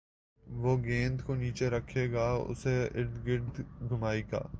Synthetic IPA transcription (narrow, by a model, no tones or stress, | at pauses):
ʋoːɡẽːnd̪koniːt͡ʃeɾɐkʰeːɡaːʊ̰seɪɽd̪ɡɪɽd̪ɡʱʊmaːiɡa̰ː